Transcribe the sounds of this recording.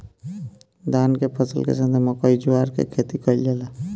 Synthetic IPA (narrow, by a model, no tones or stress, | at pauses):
d̪aːnkepʰəsə̰lkḛsə̃nd̪ʱeməkɔid͡ʒuaːɾkḛkʰet̪ikəild͡ʒela